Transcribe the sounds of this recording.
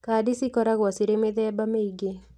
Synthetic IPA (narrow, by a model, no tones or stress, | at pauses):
kaːdisikɔɾaɣwɔsiɾemeðɛːbameiɡe